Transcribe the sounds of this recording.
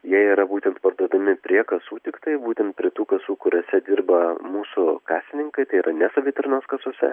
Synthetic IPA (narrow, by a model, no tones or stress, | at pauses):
jiɛiːɾɐbuːt̪ʲɛnt̪pɐrd̪uɔd̪ɐmʲɪpʲɾʲiɛkɐsuːt̪ʲɪkt̪ɐɪbuːt̪ʲɛnt̪̚pʲɾʲiɛt̪uːkɐsuːkʊɾʲoːsʲɛd̪ʲɪrbɐmuːsʊkɑːsʲt̪ʲɪnʲɪŋkɐɪt̪ɐɪiːɾɐnʲɛsɐbʲiːt̪ʲɾʲnɐskɐsoːsʲɛ̰